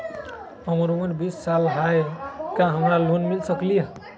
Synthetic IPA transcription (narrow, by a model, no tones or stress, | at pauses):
ɦəmɾuməɾbisːalɦaekãɦəmɾalonmilsəkliə